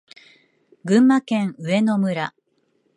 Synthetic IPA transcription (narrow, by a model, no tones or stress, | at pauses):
ɡɯ̟̃mːakẽ̞ɰɯ̟e̞no̞mɯ̟ɾa